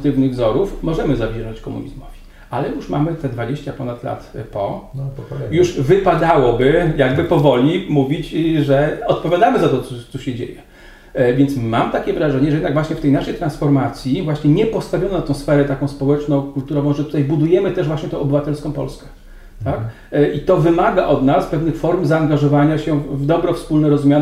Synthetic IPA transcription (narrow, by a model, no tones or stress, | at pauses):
t̪ɘvnɘɣvzɔɾufmɔʐɛmɘzavʲjɛʐɔt͡ɕkɔmṵɲḭzmɔ̰v̥ʲi | alɛjuʂma̰mɘt̪ɛd̪vad͡ʑeɕt͡ɕapɔnat̪la̰t̪pɔ | juʂvɘpad̪awɔbɘjaɡbɘpɔvɔlʲimuvʲit͡ɕʐɛɔt̪̚pɔvʲjad̪amɘzat̪ɔt̪sɔt̪sɔɕɛd͡ʑḛjɛ | vʲjɛnt̪sma̰mt̪akʲɛvɾaʐɛɲɛʐɛjɛd̪naɡvwaɕɲɛft̪ɛjnaʂɛjt̪ɾansfɔɾmat̪sʲjivwaɕɲɛɲɛpɔst̪avjɔnɔnat̪ɔ̃w̃sfɛɾɛt̪akɔ̃w̃spɔwɛt͡ʂnɔ̃kult̪uɾɔvɔ̃w̃ʐɛt̪ut̪ajbud̪ujɛmɘt̪ɛʐvwaɕɲɛt̪ɔ̃ʔɔbɘvat̪ɛlskɔ̃w̃pɔ̰lskɛ̥ | t̪ak | ʔit̪ɔvɘmaɡaʔɔd̪naspɛvnɘxfɔɾumzaːŋɡaʐɔvaɲaɕɛvd̪ɔbɾɔfspulnɛɾɔzumʲjan